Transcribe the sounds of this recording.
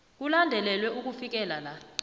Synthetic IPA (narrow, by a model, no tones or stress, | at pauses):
k̬ulandʱɛlɛlwɛʔuk̬ufik̬ɛlala